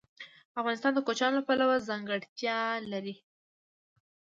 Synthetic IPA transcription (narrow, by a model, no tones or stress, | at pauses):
afɣɑnɪst̪ɑnd̪əkot͡ʃɑnlapalawazaŋɡəɽt̪jɑlaɾi